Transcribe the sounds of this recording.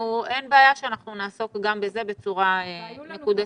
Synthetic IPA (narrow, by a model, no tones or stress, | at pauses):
uʔe̞nbeajaʃeanaχnunaːso̞kɡambe̞zebe̞t͡suʁaenekud̪a